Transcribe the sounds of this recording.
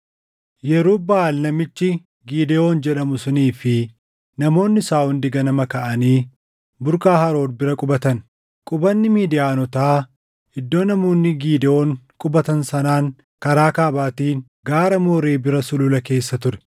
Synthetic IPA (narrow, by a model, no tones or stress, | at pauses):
jɛɾuːbɐaːlnɐmɪt͡ʃːɪ | ɡiːd̪ɛo̞ːnd͡ʒɛᶑɐmʊsʊniːfɪ | nɐmo̞ːnːɪsaːhʊnd̪ɪɡɐnɐmɐkɐʔɐniː | bʊɾkaːhɐɾo̞ːd̪bɪɾɐkʼʊbɐt̪ɐn | kʼʊbɐnːɪmiːd̪ɪjaːnɔt̪aː | hɪd̪ːo̞ːnɐmoːnːɪɡiːd̪ɛo̞ːŋkʼʊbɐt̪ɐnsɐnaːŋ | kɐɾaːkaːbaːt̪iːn | ɡaːɾɐmoːɾeːbɪɾɐsʊlʊlɐke̞ːsːɐt̪ʊɾɛ̥